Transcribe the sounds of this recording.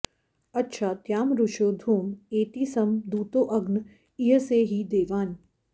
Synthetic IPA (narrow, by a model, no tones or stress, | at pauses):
ɐtːʃʰaːt̪jaːmɾʊʃoːd̪ʱuːmeːt̪iːsɐmd̪uːt̪oːʔɐɡn | iɦəseːɦid̪eːʋaːn